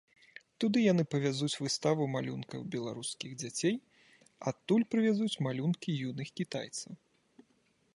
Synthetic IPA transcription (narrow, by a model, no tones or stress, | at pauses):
t̪ud̪ɨjan̪ɨpɐvʲazut͡sʲvɨst̪avumalʲunkɐ̰wbʲɛlˠaɾuskʲiɣd͡zʲat͡sʲej | at̪ːulʲpɾɨvʲazut͡sʲmalʲunkʲijunɨxkʲit̪a̰jt̪sɐw